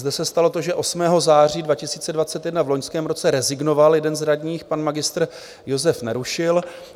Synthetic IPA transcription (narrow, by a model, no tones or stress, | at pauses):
zdɛsɛst̪alo̞t̪o̞ʒɛʔo̞smɛːɦo̞zaːr̝iːdvacɪsiːt͡sɛdvat͡sɛt̪jɛdnavlo̞ɲskɛːmɾo̞t͡sɛɾɛzɪɡno̞valjɛdɛnzɾadɲiːxpanmaɡɪst̪r | jo̞zɛfnɛɾuʃɪl